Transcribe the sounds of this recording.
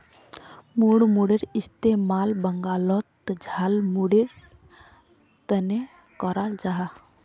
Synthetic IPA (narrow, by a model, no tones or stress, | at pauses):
muɽmuɽiɾist̪emaːlbəŋɡaːlɔt̪d͡ʒʱalmuɽiɾ | t̪əne | kɔɾald͡ʒaɦa